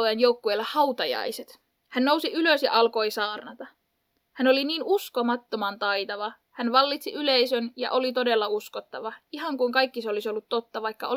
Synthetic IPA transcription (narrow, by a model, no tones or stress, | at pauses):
ojɑnjoukːuelːɑhɑwt̪ɑjɑ̰jset̪ | hænːo̞wsiʔyløsjɑ̰ʔɑlko̞jsɑːrnɑt̪ɑ | hæno̞liniːnusko̞mɑt̪ːo̞mɑnt̪ɑjt̪ɑʋɑ | hænʋɑlːit̪siʔylejsønjɑ̰ʔo̞lit̪o̞de̞lːɑuskot̪ːɑʋɑiɦɑŋkuiŋkɑjkːiseolisiolːut̪ːot̪ːɑʋɑjkːɑo